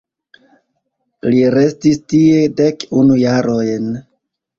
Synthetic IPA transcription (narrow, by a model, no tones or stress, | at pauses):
liɾe̞stistie̞de̞kunujaɾo̞jn